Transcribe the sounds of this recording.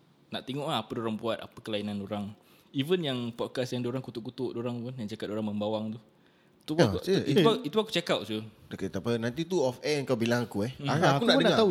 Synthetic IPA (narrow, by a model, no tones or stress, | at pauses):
naʔt̪eŋɔʔlaːpədoɾaŋbuat̪̚a̰pəkəlainãnoɾaŋ | ivənjaŋpɔt̚kasjaŋdoɾaŋkut̪uʔkut̪ʊʔdoɾaŋvənjaŋt͡ʃakat̪̚oɾaŋməmbawaŋt̪u | t̪uauəit̪uit̪uaku̥t͡ʃekaʔ̚t͡ʃudket̪apənant̪̬it̪̬uɔfɛəŋkawbilaŋakuɛhaakunadənaat̪au